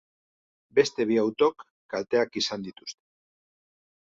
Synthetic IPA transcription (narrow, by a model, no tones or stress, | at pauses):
be̞st̪e̞β̞iawt̪o̞kː | alt̪e̞akisand̪it̪u̥st̪e̥